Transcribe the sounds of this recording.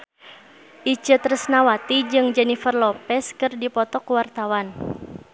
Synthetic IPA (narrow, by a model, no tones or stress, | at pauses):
ʔit͡ʃət̪ɾəsnawat̪id͡ʒɨŋd͡ʒɛnifərlɔpɛskɨrdipɔt̪ɔkuwart̪awan